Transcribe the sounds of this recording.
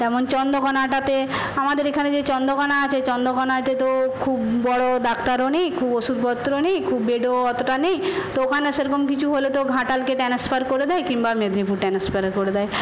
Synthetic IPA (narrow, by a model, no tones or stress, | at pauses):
t̪ɛmont͡ɕɔnd̪okɔnaʈat̪e | amad̪eɾekʰaned͡ʑet͡ɕɔnd̪okɔnaat͡ɕʰet͡ɕɔnd̪okɔnat̪et̪okʰubːɔɽod̪akt̪aɾonejkʰuboʃud̪bɔt̪ːɾonejkʰubːeɖoɔt̪oʈanejt̪ookʰaneʃeɾkomkit͡ɕʰuɦolet̪oɡʱãʈalkeʈɛnespaɾkoɾed̪ɛekiŋbamed̪nipuɾʈɛnespaɾakoɾed̪ɛe